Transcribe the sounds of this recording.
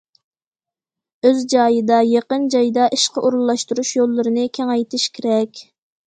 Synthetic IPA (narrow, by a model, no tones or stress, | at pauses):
øzd͡ʒɑːjɨd̪ɑjeqənd͡ʒɑjd̪ɑʔiʃqɑʔoɾulˠːɑʃt̪uɾuʃjolˠːɨɾɨnɨkʲʰɛŋɑjt̪ʰɪʃkʲʰeɾɛkʲ